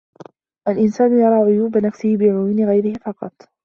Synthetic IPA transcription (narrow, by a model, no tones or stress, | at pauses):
ʔalʔɪnsaːnʊjɑɾˤɑːʕʊjuːbanafsɪhɪbɪʕʊjiːnɪɣajɾɪhɪfɑqɑ̰t̪ˤ